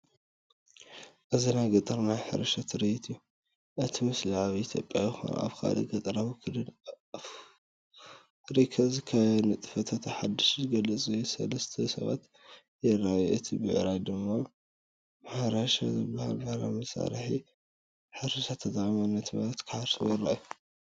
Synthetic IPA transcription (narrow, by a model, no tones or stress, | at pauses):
ʔɨzinajɡɐt̪ʼɨɾnajħɨ̰ɾɐʃat̪ʰɨɾijit̪ʰɨjːu | ʔɨt̪ʰimɨsliʕaβiit̪ʰjo̰pʼjajɪxo̰n̰ʔa̰βkʰa̰lḭɡɐt̪ʼɨɾawkʰɨlɨ | ɾikʰɐzkʰɐnɨt̪ʼɨ̥fɐt̪ʰat̪ʰħad̪ːɨʃɡɐlɨt͡sʼujusɐ̰lɐst̪ʰɐsɐ̰βa̰t̪ | jɛrajuʔɨt̪ʰibɨʕɾajd̪ɨmːa | mħaɾaʃa̰zɨbːahalbahla̰mɐsa̰ɾħi | ħɨɾɐʃat̪ʰɐt̪ʼʕʼimanːɐt̪malɐt̪kʰɨaɾsʰɨwɔɾa̰jːu